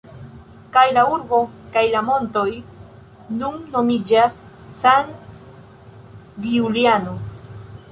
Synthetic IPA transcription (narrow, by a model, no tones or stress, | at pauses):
kajlauɾbo̞kajlamo̞nto̞j | nunːo̞mid͡ʒasː | an | ɡiuliano̞